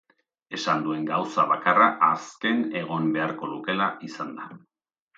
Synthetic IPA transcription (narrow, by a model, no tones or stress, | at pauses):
e̞sand̪ue̞ŋɡawsaβakaraʔaske̞ne̞ɣ̞o̞mbe̞aɾko̞ðuke̞laʔisand̪a